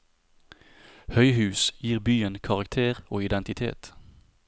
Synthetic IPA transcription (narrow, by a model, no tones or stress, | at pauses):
hœʏɦʉːsjiːʁbyːənkʰɑʁɑkt̪ʰeːʁoːɪd̪ɛnt̪ɪt̪ʰḛːt̪